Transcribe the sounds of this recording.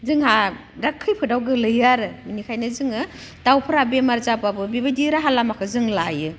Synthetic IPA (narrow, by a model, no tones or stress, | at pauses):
zɯŋɦa | ɾakʰːɯjpʰɯdawɡɯlɯjaɾɯminikʰajnɯzɯŋɯ | tawpʰɯɾabemaɾzapabɯbibadiɾaɦalamakʰɯzɯŋlajɯ